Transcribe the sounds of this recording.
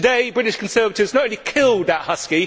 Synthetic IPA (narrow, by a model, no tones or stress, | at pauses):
ədeɪbɹɪɾɪʃkʰə̃nsɜːvətɪvznətəʊ̃nlikʰɪlˠd̪̚ðəʔhʌski